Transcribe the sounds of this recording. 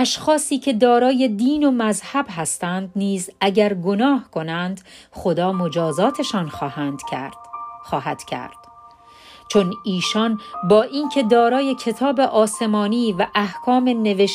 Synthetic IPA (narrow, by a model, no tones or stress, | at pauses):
ʔæʃxɒːsiːcʰe̞d̪ɒːɾɒːje̞d̪iːnomæzhæbɦæst̪ænd̪niːzæɟæɾɡo̞nɒːhkʰo̞nænd̪χo̞d̪ɒːmod͡ʒɒːzɒːt̪ʰe̞ʃɒnxhænd̪ | xɒːhæ̰d̪̥cʰæ̰ɾd̪̥ | t͡ʃʰo̞niːʃɒnbɒːʔiːncʰe̞d̪ɒːɾɒːje̞cʰe̞t̪ʰɒːbe̞ʔɒːse̞mɒːniːvæʔæhkʰɒːme̞ne̞veʃ